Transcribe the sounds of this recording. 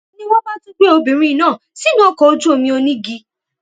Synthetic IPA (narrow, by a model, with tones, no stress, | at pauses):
o˦nĩ˦wɔ˦ma˦tũ˦ɡ͡be˦o˧bĩ˨ɾ̃ĩ˦˨nãː˦˨si˦nã˦kɔ˨˦o˦d͡ʒu˦o˧mĩ˧o˧nĩ˦ɡi˧